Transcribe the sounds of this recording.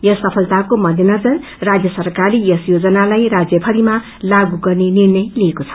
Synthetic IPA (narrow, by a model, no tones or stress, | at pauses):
jʌsʌpʰʌlt̪akomʌd̪ʱinʌd͡zʌn | rad͡zjʌsʌrkaɾiesjod͡zʌnalajrad͡zjʌpʰʌɾima | laɡuɡʌrnenirnʌjliekot͡sʰʌ̥